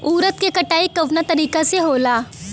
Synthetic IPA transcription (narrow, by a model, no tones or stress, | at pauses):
uːɾət̪kekɐʈaːikɐʋnat̪ɐɾiːkaseɦoːlaː